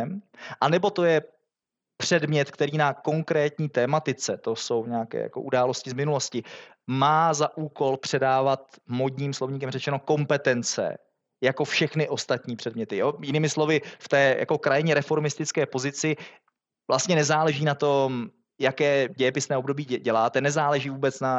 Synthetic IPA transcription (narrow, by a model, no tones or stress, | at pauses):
mʔanɛbo̞t̪o̞jɛ | pr̝̥ɛdmɲɛt̪kt̪ɛɾiːnako̞ŋkɾɛːt̪ɲiːt̪ɛːmat̪ɪt͡sɛt̪o̞so̞wvɲɛakɛ̰ːja̰ko̞ʔudaːlo̞scɪzmɪnuloscɪ | maːzaʔuːko̞lpr̝̥ɛdaːvat̪modɲiːmslo̞vɲiːk̬ɛmrɛt͡ʃɛno̞ko̞mpɛt̪ɛnt͡sɛ̰ | jako̞fʃɛxnɪʔo̞st̪at̪ɲiːpr̝̥ɛdmɲɛt̪ɪjoːjɪnɪːmɪslo̞vɪft̪ɛːja̰ko̞kɾajɪɲɛɾɛfo̞ɾmɪst̪ɪt͡skɛːpo̞zɪt͡sɪ | vlʔast̪ɲɛnɛzaːlɛʒiːnat̪o̞m | jakɛːɟɛjɛpɪsnɛːobdo̞biːɟɛlaːt̪ɛnɛzaːlɛʒiːvuːbɛt͡sna